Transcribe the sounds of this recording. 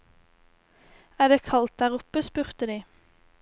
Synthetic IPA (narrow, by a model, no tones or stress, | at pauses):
æːɖ̪eːkʰɑlt̪̚d̪æːʁʊpəspʉʁt̪əd̪iː